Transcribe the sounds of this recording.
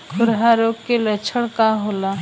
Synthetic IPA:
kʰʊɾɦaɾoːkelət͡ʃʰəɽ̃kaɦoːla

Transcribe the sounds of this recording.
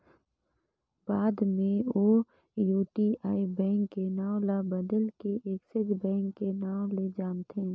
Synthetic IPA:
baːd̪mẽoː | juːʈiaːibɛ̃ːŋkːenãːlabəd̪əlkeʔeːksəd͡ʒbɛ̃ːŋkːenaːoled͡ʒaːmt̪ʰẽː

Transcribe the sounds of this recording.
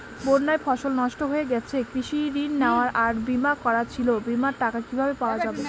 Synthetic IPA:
boɾnaefʰɔʃolnɔʃʈoɦoeɡɛt͡ɕʰekɾiʃiɾinːeoaɾaɾbimakɔɾat͡ɕʰilobimaɾʈakakibʱabepaoad͡ʑabe

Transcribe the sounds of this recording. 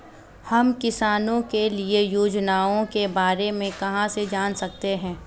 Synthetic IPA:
hɐmkɪsaːnõkeliejoːd͡ʒnaːõkebaːɾemẽkɐɦãsed͡ʒaːnsɐk̚t̪eɦɛ̃ː

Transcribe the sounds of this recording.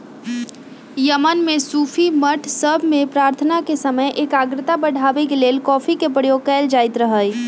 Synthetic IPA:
jəmənmẽsuːpʰiməʈʰsəbʱmẽpɾaːɾt̪ʰənakesəməjʔeːkaːɡɾɪt̪abəɽʱaːʋekeleːlkɔːfʰikepəɽjoːɡkɛːld͡ʒaːɪt̪ɾəɦəj

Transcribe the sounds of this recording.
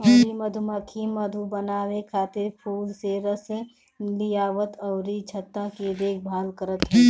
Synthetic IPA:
ɔːɾimɐd̪ʱumɐkʰimɐd̪ʱubənaːwekʰaːt̪ɪɾpʰuːlseɾəsẽ | lɪjaːʋət̪ɔːɾit͡ʃʰɐt̪ːaked̪eːkʰbʱaːlkəɾət̪ɦɛ̃ː

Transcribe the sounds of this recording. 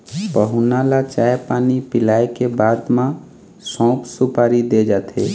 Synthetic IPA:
pəɦunalat͡ʃaepaːnipɪlaekebad̪mã | sɔ̃ʊpsupaːɾid̪ed͡ʒat̪ʰe

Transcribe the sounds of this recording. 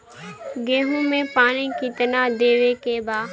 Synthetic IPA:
ɡẽːɦũːmẽːpaːñĩːkit̪ənaːd̪eːʋeːkeːbaː

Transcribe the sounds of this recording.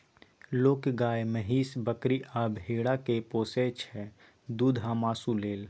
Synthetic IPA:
loːkɡaːeməɦiːsbəkɾiʔaːbʱɦeːɽakepoːset͡ʃʰɛ | d̪uːd̪ʱɦamaːsuleːl

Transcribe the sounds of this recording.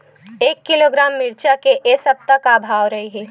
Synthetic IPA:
eːkːɪloːɡɾaːmːɪɾt͡ʃakeʔesɐb̚t̪ɐkaːbʱaːʋɾɐɦiɦɛː

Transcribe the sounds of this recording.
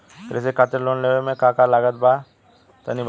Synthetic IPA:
p̪ɾɛs̬ekʰaːt̪əɾloːnleʋemẽkakalaːɡət̪̚ba | t̪ɐ̰nib

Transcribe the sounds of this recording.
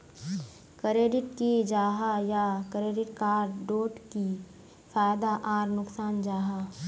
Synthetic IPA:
kɾeːɖɪʈkid͡ʒaːɦajakɾeːɖɪʈkaːɾɖoːʈki | faːjd̪aʔaːɾnʊksaːnd͡ʒaːɦa

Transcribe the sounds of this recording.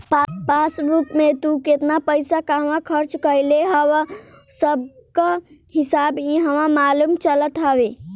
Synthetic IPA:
pasɾupmet̪uket̪napəɪsakaʋãkʰəɾt͡ʃkəjleɦəwa | səb̚kahisabiɦəʋãmalumt͡ʃələt̪ɦaʋe

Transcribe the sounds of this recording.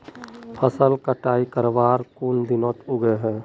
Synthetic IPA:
pʰəsəlkəʈaːikəɾʋaːɾkuːnd̪ɪnõːt̪ʊɡeɦɛː

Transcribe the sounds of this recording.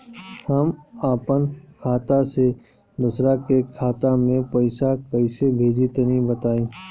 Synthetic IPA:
hɐmaːpənkʰaːt̪ase | d̪ʊsɾakekʰaːt̪amẽpəɪsakəɪsebʱeːd͡ʒit̪nĩbət̪aːẽː

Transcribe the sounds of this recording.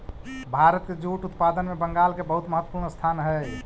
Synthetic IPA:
bʱaɾət̪ked͡ʒuʈut̪pad̪ənmebəŋɡalkebəɦut̪məɦət̪ːəpuɾnəst̪ʰanɦəj

